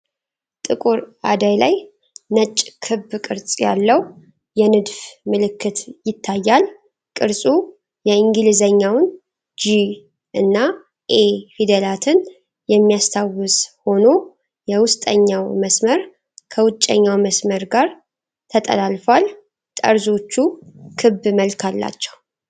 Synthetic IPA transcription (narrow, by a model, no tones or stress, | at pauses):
t̪ʼɨkʼuɾad̪ajlaj | nət͡ʃʼkʰɨbkʼɨɾsʼja̰lːəw | jɛnɨd̪fmɨlɨkːɨt̪jɪt̪ʰːajːal | kʼɨɾsʼu | jɛiŋɡɨlzəɲːawn | d͡ʒi | ʔɨnːa | ʔefid̪elat̪ʰɨn | jɛmːijast̪ʰawɨsho̞no̞ | jɛwʊst̪ʼəɲːawməsməɾ | kʰəwʊt͡ʃʼːə̰ɲːawməsməɾɡaɾ | t̪ʰət̪ʼə̰lalfal | t̪ʼə̰ɾzo̞t͡ʃːukʰɨbːməlkʰalːa̰t͡ʃːɛ̥w